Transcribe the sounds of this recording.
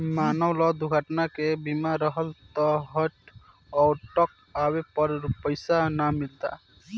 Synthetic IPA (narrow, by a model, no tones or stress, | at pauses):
maːnəwlɔd̪uɡʱəʈnakebimaɾəɦəlt̪ɔɦəʈ | ɔːɾʈɔk̚ | awepəɾpəjsanamilt̪a̰